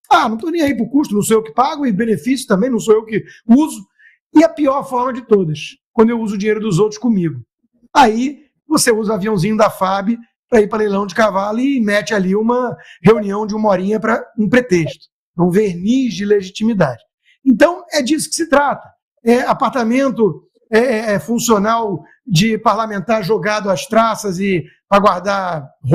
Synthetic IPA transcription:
anɐ̃w̃t̪onẽj̃aipʊkuʃt̪ʊnɐ̃w̃sowewʊkɪ̥paɡʊɪbẽnefisjʊt̪ɐ̃mbẽj̃nɐ̃w̃sowewkɪuzʊ | ɪɛpiɔɾfɔɾmɐd͡ʒɪt̪od̪ɐʃkwɐ̃nd̪ʊewuzʊd͡ʒĩɲejɾʊd̪ʊzowt̪ɾʊ̥skõmiɡʊ | ai | voseuzɐaviɐ̃w̃zĩɲʊd̪ɐfabɪ | pɾɐipɾɐlejlɐ̃w̃d͡ʒɪkavalʊɪmɛt͡ʃɪaliũmɐheuniɐ̃w̃d͡ʒɪũmɔɾĩɲɐpɾɐũpɾet̪eʃt̪ʊ̥ | ũveɾniʒd͡ʒɪleʒit͡ʃimid̪ad͡ʒɪ | ẽnt̪ɐ̃w̃ɛd͡ʒisʊ̥kɪ̥sɪt̪ɾat̪ɐ̥ | ɛapaɾt̪amẽnt̪ʊ | ɛɛɛfũsionaw | d͡ʒɪpaɾlamẽnt̪aɾʒoɡad̪ʊɐst̪ɾasɐzɪ | pɾɐɡwaɾd̪a

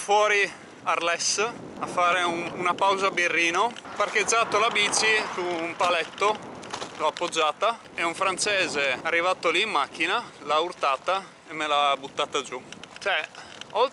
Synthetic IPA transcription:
fwɔːɾi | arlɛs | afːaːɾeuunapawzabirːiːnoparked͡ʒːaːt̪olabiːt͡ʃisuːmpalɛt̪ːoloapːod͡ʒːaːt̪a | euɱfɾant͡ʃɛːzearːivat̪oliːmːak̟ːinalaurt̪aːt̪a | emːelabut̪ːaːt̪ad͡ʒut͡ʃɛɔl

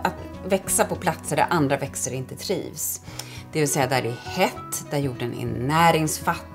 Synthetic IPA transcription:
at̪vɛksapɔpʰlat̪səɖæ̰ɾʔand̪ɾavɛksəɾɪnt̪ət̪ʰɾḭːvs | d̪̥ɛvɪlsɛjːad̪æɖɛhɛt̪ːd̪æɾjuːɖənɪ̰nːæːɾɪŋsfat̪ː

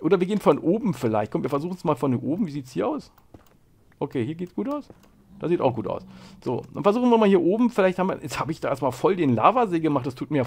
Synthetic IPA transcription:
ʔoːdɐviːɡeːənfɔnʔoːbm̩fɪlaɪçt̚kɔmtviːɐfɛɐzuːχn̩smaːlfɔnʔoːbm̩viːziːtshiːɐʔaʊs | ʔokʰeːhiːɐɡeːtsɡ̥uːtaʊs | d̥aːsziːta̰ʊxɡ̥uːta̰ʊsz̥o̰ːd̥anfɛɐzuːχn̩viɐmaːlhiːɐʔoːbm̩fɪlaɪçthabmviɐjɛt͡shaːbəɪçd̥aːʔḛːɐstmaːlfɔldeːnla̰ːvɐzeːɡəmaχtd̥astʰuːt̚miːɐja

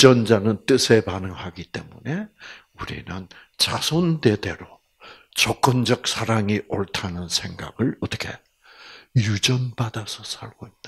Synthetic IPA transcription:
t͡ɕʌnd͡ʑanɯnt͈ɯsʰe̞panɯŋɦaɡit͈e̞̰mune̞ | uɾḭnɯnt͡ɕasʰonde̞de̞ɾo | t͡ɕʌk͈ʌnd͡ʑʌk̚sʰaɾaŋiʔʌɭtʰanɯnsʰe̞ŋɡa̰ɡɯɭʌt͈ʌ̥kʰe̞ | jud͡ʑʌnbadasʰʌsʰaɭɡoit̚t͈ḁ

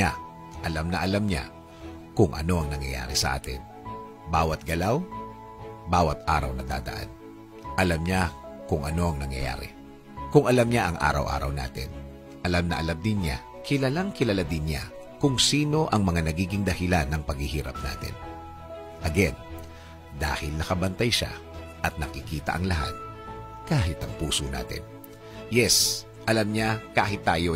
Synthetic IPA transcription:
a | ʔɐlamnɐʔɐlamɲa̰ | kʊŋʔɐ̰no̞ʔɐŋnɐŋjɐ̰ja̰ːɾɪsɐʔa̰ːt̪ɪ̰n | baːwɐt̪̚ɡɐlaw | baːwɐt̪̚ʔa̰ːɾɐwnɐd̪a̰ːd̪ɐ̰ʔa̰n | ʔɐlamɲakʊŋʔɐno̞ɐŋnɐŋjɐ̰ja̰ːɾɛ̰ | kʊŋʔɐlamɲaʔɐŋʔa̰ːɾɐ̰wʔa̰ːɾɐ̰wna̰ːt̪ɪn | ʔɐlamnɐʔɐlamd̪ɪnɲa | kɪlɐlaŋkɪlɐlad̪ɪnɲa | kʊŋsiːno̞ʔɐŋmɐŋanɐɡiːɡɪŋd̪ɐhɪlanːɐŋpɐɡhɪhiːɾɐ̰p̚na̰ːt̪ɪ̰n | ʔɐɡɛn | d̪a̰ːhɪlnɐkɐbɐnt̪ajʃa̰ | ʔɐt̪̚nɐkɪkiːt̪ɐ̰ʔɐŋlɐɦa̰t̪̚ | kaːɦɪt̪ɐŋpuːsona̰ːt̪ɪ̰n | jɛs | ʔɐlamɲakaːɦɪt̪ːaːjo̞

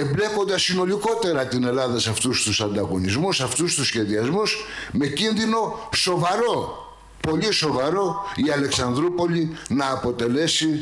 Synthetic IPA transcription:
emble̞ko̞nd̪ɐsːino̞liko̞t̪e̞ɾɐt̪ine̞lɐðɐsɐft̪ust̪usɐnd̪ɐɣo̞nizmusɐft̪ust̪usçe̞ðiɐzmus | me̞cinðino̞so̞vɐɾo̞ | po̞liso̞vɐɾo̞iɐle̞ksɐnd̪ɾupo̞linɐːpo̞t̪e̞le̞si

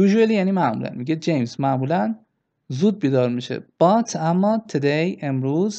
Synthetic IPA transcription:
juːʒuelijæːniːmæʔmṵlæ̰nmiɟed͡ʒejmsmæʔmuːlæn | zuːd̪̚biːd̪ɒːɾmiʃḛb̥ɒt̪ʰæmːɒːt̪ʰed̪eje̞mɾuːz

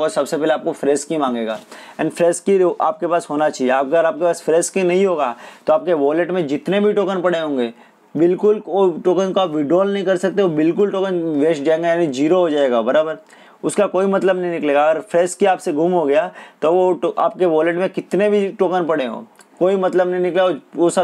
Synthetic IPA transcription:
ɔsɐbsepɛːleaːp̚kofɾɛːskĩmãːŋɡeːɡa̰ːɛ̰ːnfɾɛːskiʔa̰ːp̚kepaːsɦoːnat͡ʃaːɦieaːɡəɾaːp̚kepaːsfɾɛːskinɐɦĩɦoːɡaːt̪oaːp̚keʋɔːləʈmẽd͡ʒɪt̪nebʱiʈoːkənpɐɽeɦõːŋɡeː | bɪlkʊloʈoːkənkoaːpʋɪɖoːlnɐɦĩkɐɾsɐk̚t̪eʋobɪlkʊlʈoːkənʋeːʃd͡ʒaːeŋɡajaːnid͡ʒiːɾoɦod͡ʒaːeːɡabɐɾaːbəɾ | ʊskakoːimɐt̪ləbnɐɦĩnɪkleːɡaːɡəɾfʰɾɛːskiaːpseɡʱuːmɦoɡɐjat̪oʋooʔa̰ːp̚keʋɔːləʈmẽkɪt̪nebʱiʈoːkənpɐɽeɦõ̰ː | koːimɐt̪ləbnɐɦĩnɪklaoosɐ

